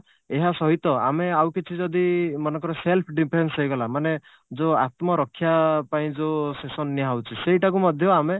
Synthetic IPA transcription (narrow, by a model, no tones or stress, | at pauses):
eɦasɔɦit̪ɔa̰meawkit͡ʃʰid͡ʒɔd̪imɔnɔkɔɾeselpʰɖipʰɾensɦejɡɔlamane | d͡ʒoat̪mɔɾɔkʰːjapaĩd͡ʒosesɔnːiɦawt͡ʃʰisejʈakumɔd̪ʱjɔame